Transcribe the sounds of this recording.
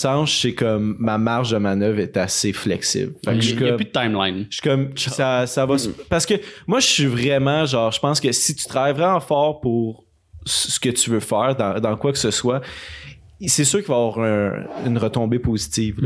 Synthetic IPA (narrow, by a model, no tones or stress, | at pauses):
sɑ̃ʃsɛkɔmːamaʁʒd̪əmanœvʁɛt̪aseflɛksɪ̰blfakʃikmpyd̪̚t̪ajmlajnʃɥi̥kɔmʃsasavʌspaʁsə̥kəmwaʒəsɥivʁɛmɑ̃ʒɑ̃ːʁʒəpɑ̃skəsit̪y̥t̪ʁajvʁɛmɑ̃fɑːʁpuʁ | sə̥kət̪yvøfɛːʁd̪ɑ̃d̪ɑ̃kwaksəswa | sesyːʁkʲivavwaʁə̰̃ːnʁət̪ɔ̃bepozit̪iːvl